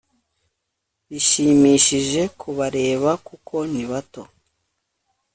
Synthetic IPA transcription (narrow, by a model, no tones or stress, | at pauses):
βiʃiːmiːʃiʒe̞kʰuβaɾe̞ːβakukʰo̞niβato̞